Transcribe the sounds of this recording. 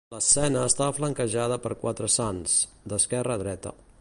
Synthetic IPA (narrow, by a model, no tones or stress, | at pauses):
ləsɛnəːst̪aβəfləŋkəʒað̞əpəɾkwat̪ɾəsanz̥d̪əskɛrəðɾɛt̪ə̰